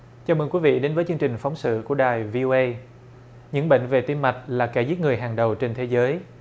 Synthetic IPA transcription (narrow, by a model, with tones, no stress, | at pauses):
t͡ɕaː˧˩mə˨˩nkwi˨˦vḭ˧˨ɗe˨˦nvəː˨˦jt͡ɕɨ˧əŋt͡ɕï˨˩ŋ̟fa˨˦wŋ͡msɨ̰˧˨ku˧˩əɗaː˨˩jvi˧ʔo˧ʔə˧j | ɲɨ̰˧˥ŋɓḛ˧˨ŋ̟ve˨˩t̪i˧mːa˨˩jt̚laː˨˩ka˧˩zi˦˥t̚ŋɨ˨˩əjɦaː˨˩ŋɗə˨˩wt͡ɕe˧nt̪ʰe˨˦zəː˨˦j